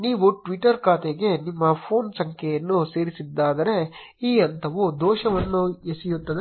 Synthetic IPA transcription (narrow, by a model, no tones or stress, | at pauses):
niːʋuʈʋiʈːɐɾkaːt̪eɡe̞nimːɐpʰoːnsɐŋkʰjɐjɐnːuseːɾisid̪ːaːd̪ɐɾe | iːɐnt̪ʰɐʋud̪oːʃɐʋɐnːuesijut̪ːɐd̪e